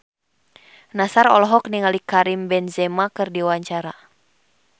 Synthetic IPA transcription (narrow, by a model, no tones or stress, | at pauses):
nasaɾɔ̰lɔɦɔkniŋalikaɾimbɛnzɛmakɨrdiwaɲt͡ʃaɾa